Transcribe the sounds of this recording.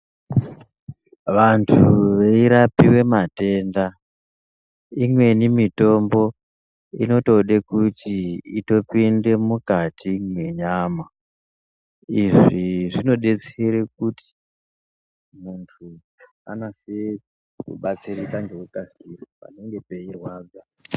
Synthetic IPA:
ʋantʰuʋe̞iɾapiwe̞mate̞nda | imwe̞nimito̞mbo̞ | ḭno̞to̞ɗekutiito̞pinde̞mukatʰimwe̞ɲama | iʐiʐino̞ɗe̞t͡seɾek̚uti̥ | muntʰu | a̰nase | kṵɓat͡siɾikand͡ʒewekasirapa̰ne̞ŋɡe̞pe̞irwaːd͡za

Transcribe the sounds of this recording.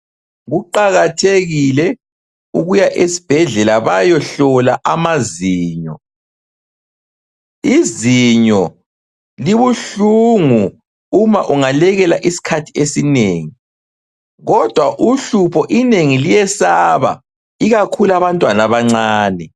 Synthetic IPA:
ɣuǃaɣatʰeɣilɛ | uɣujaʔesi̥b̥ʱɛɮɛlaβajɔɬɔlaʔamaziːɲɔ | iziɲɔ | liβuɬuŋu | umaʔuŋalɛɣɛlaʔisi̥kʰatʰiesineːŋi | ɣɔd̥ʱwaʔuɬupʰɔʔineŋilijɛsaβa̰ | iɣakʰulaβantʼwanaβaŋ͡ǀaːnɛ

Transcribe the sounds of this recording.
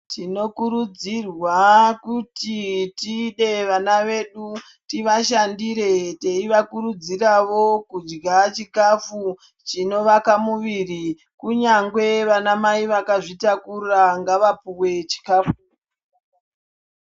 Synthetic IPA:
tino̞kuɾud͡zirwakutitiːɗe̞ʋanaʋe̞ɗu | tiʋaʃandiɾe̞te̞iʋakuɾud͡ziraʋo̞kud͡ʒɡat͡ʃikafu | t͡ʃino̞ʋakamuʋiri | kuɲaŋɡwe̞ʋanamaiʋakaʐitakuraŋɡaʋapuwe̞t͡ʃi̥kaːfu̥

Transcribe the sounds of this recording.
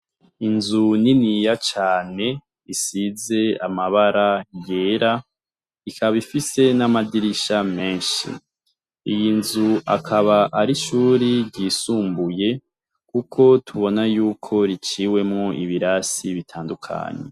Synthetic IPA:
inzuninijat͡ʃaːne̞ | isize̞amaβaɾajɡeːɾa | ikʰaββifise̞namadiɾiʃame̞ːnʃḭ | ijinzuakʰaβaʔaɾiʃuːɾiɾɟiːsuːmbuje̞ | kukʰo̞tʰuβo̞najuːkʰo̞ɾit͡ʃiːwe̞mŋoʔiβiɾasiβitʰaːndukʰa̰ːɲḛ

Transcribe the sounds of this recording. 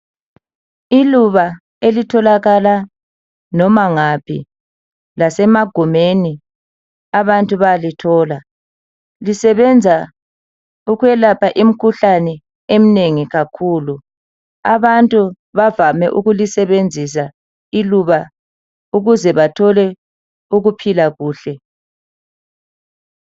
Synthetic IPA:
iluβa | elitʰɔlaɣala | nɔmaŋapʰḭ | lasɛmaɡ̥ʱumeni | aβantʼuβajalitʰɔːla | lisɛβɛnd͡zʱa | uɣwɛlapʰaʔim̩kʰuɬanɛ | em̩neŋiɣakʰuːlu | aβantʼu | βavamɛʔuɣulisɛβend͡zʱis̬a | iluβa | uɣuzɛβatʰɔlɛ | uɣupʰilaɣuːɬɛ

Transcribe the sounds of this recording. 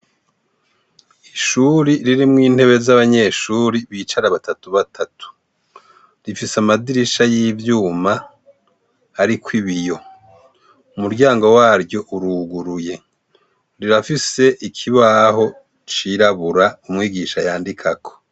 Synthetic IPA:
iʃuɾiɾiɾimŋiːn̥he̞βe̞zaβaɲe̞ʃuːɾiβiːt͡ʃaɾaβatatuβatʰatʰu̥ | ɾifisamadiɾiʃajiːvjuːma | ɾikwiβijo̞ | umuɾɟaːŋɡo̞waːɾɟo̞ʔuɾuːɡuɾuje̞ | ɾiɾafise̞ʔikʰiβaɦo̞ | t͡ʃiɾaβuɾaumŋiːɡiʃajaːndikʰakʰo̞̥

